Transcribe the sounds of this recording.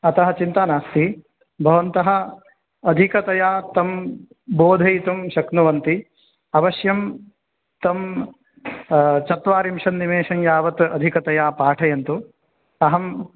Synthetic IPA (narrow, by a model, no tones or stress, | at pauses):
ɐt̪ɐɦɐ̆t͡ʃint̪aːnaːst̪i | bʱɐʋɐnt̪ɐɦɐ̆ː | d̪ʱikɐt̪ɐjaːt̪ɐm | boːd̪ʱɐjit̪ɐmʃɐknuʋɐnt̪i | ɐʋɐʃjɐm | t̪ɐm | t͡ʃɐt̪ʋaːɾimʃɐnːimeːʃɐŋjaːʋɐt̪ɐd̪ʱikɐt̪ɐjaːpaːʈʰɐjɐnt̪u | ɐɦɐm